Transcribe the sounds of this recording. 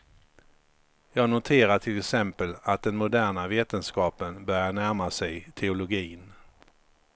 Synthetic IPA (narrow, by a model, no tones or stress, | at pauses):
jɑːɡnʊt̪ʰeːɾaʈʰɪlɛksɛmpəlat̪̚d̪ɛnmʊd̪æːɳaveːt̪ənskɑːpənbœɾjaɳæɾmasɛjt̪ʰɛʊlʊɡiːn